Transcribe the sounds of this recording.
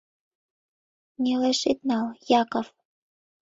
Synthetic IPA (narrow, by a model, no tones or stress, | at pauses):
nʲeleʃet̪̚nɑljɑkof